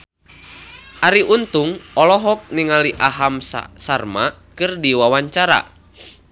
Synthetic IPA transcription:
ʔaɾiʔunt̪uŋɔlɔɦɔk̚niŋaliʔaɦam̰sarma | kɨrdiwawaɲt͡ʃaɾa̰

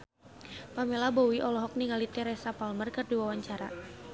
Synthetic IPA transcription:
pamelabɔwiʔɔlɔɦɔk̚niŋalit̪ɛɾɛsapalmərkɨrdiwawaɲt͡ʃaɾa̰

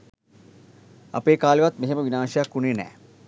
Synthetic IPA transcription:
a̰peːkaːleʋat̪meɦeməʋinaːʃɐjakːuneːnɛ̰ː

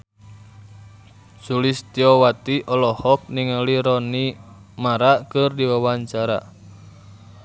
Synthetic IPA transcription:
sulist̪iɔwat̪iʔɔlɔhɔk̚niŋaliɾɔni | maɾaʔkɨrdiwawaɲt͡ʃaɾa̰

